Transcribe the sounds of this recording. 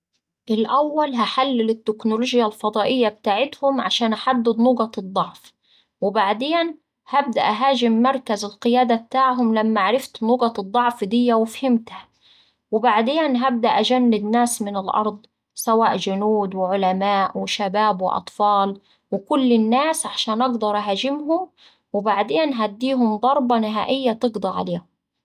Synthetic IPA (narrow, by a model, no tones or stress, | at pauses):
ʔɪlʔawːalɦaħalːɪlɪt̪ːɪknʊloːʒjalfɑd̪ˤɑːʔɪjːab̚t̪aːʕɪt̪hʊmʕaʃaːnʔaħad̪ːɪd̪nʊɡɑt̪ɨd̪ˤːɑʕf | wɪbaʕd̪eːn | hab̚d̪a̰ʔɦaːʒɪmːɑɾˤkazɪlqɪjaːd̪ab̚t̪aːʕɦʊmlamːaʕaɾˤɪft̪nʊɡɑt̪ɨd̪ˤːɑʕfd̪ɪjːawɪfhɪmt̪ha | wɪbaʕd̪eːnɦab̚d̪aʔad͡ʒanːɪd̪naːsmɪnɪlʔɑ̰ɾˤd̪ˤ | sawaːʔd͡ʒʊnuːd̪wɪʕʊlamaːʔwɪʃabaːbwɪ̰ʔɑ̰t̪ˤfɑːl | wɪkʊlːɪnːaːsʕaʃaːnʔɑɡd̪ɑɾˤʔaɦaːd͡ʒɪmɦʊm | wɪbaʕd̪eːnɦad̪ːiːɦʊmd̪ˤɑɾˤbɑnɪɦaːʔɪjːat̪ɨɡd̪ˤɑʕa̰leːhʊm